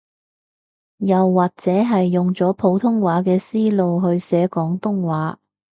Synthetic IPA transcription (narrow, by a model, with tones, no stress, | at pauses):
jɐ˨wːaː˨k̚t͡sɛː˨˥ɦɐ˨jːʊ˨ŋt͡sɔː˨˥pʰo˨˧˥wt̪ʰʊ˥ŋwaː˨˥kɛː˧siː˥lo˨˧wɦɵ˧ɥsɛː˨˥kɔː˨˥ŋt̪ʊ˥ŋwaː˨˥